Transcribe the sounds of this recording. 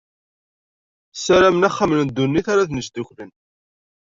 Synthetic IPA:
sæɾæmnæχːamənnd̪ːunːiθaɾaθnəʃd̪ʊçlən

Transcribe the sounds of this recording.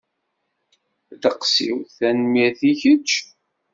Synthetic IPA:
ðəqsḭwθænmiθiʝət͡ʃː

